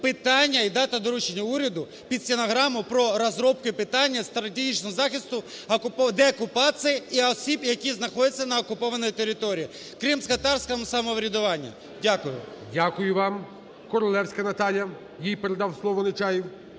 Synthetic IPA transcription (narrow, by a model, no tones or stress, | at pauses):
pɪt̪ɑnʲːɐid̪ɑt̪ɐd̪ɔɾut͡ʃenʲːɐuɾʲɐd̪ʊ | pʲid̪sʲɪnɐɦɾɑmʊpɾɔɾɐzɾɔp̚kʊipɪt̪ɑnʲːɐst̪ɾɐt̪ʲeɦit͡ʃnɔɦɔzɑxʲist̪ʊɐkʊpɔd̪ɛɔkʊpɑt͡sʲijiiɔsʲibjɐkʲiznɐxɔd̪ʲɪt͡sʲːɐnɐɔkʊpɔʋɐnɔjit̪eɾʲɪt̪ɔɾʲijː | kɾimskɐt̪ɑrsʲkɐmʊsɐmɔʋɾʲɪd̪ʊʋɑnʲːḭ | dʲakʊjʊ | dʲakʊjʊʋɑm | kɔɾɔlˠɛwsʲkɐnɐt̪ɑlʲjɐ | jijpeɾed̪ɑwslˠɔʋɔnɪt͡ʃɑjiw